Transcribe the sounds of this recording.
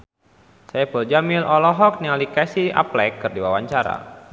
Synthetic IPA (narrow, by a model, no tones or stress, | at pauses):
sajapəld͡ʒamilʔɔlɔɦɔk̚nialikasiʔa̰plɛkːɨrdiwawaɲt͡ʃaɾa̰